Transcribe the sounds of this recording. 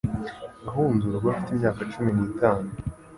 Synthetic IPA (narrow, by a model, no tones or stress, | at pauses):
ɡaɦuːnduɾabwafitimɲaːkat͡ʃuminiːtaːnu